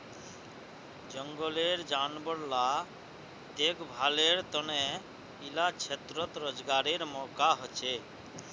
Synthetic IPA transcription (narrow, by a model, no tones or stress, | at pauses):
d͡ʒɔŋɡɔleɾd͡ʒanbɔɽla | d̪ekbʱaleɾt̪ɔne | ilat͡ʃʰet̪ɾɔt̪ɾɔd͡ʒɡaɾeɾmɔkaɦɔt͡ʃʰe